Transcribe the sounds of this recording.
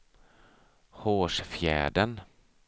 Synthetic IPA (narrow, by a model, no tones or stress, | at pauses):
hoːʂfjæ̰ːɖən